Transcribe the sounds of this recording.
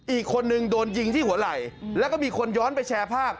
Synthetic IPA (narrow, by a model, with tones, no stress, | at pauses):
ʔiː˨˩kʰːo˧nːɯ˧ŋdoː˧nji˧ŋt̪ʰiː˥˩hu˩˦ɐla˨˩jlɛː˦˥kɔː˥˩miː˧kʰo˧njɔː˦˥npa˧jt͡ɕʰɛː˧pʰaː˥˩p̚